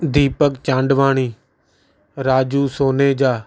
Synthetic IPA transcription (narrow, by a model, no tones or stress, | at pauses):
d̪iːpəkt͡ʃãːɳɖʋaːɳiː | ɾaːd͡ʒuːsoːneːd͡ʒaː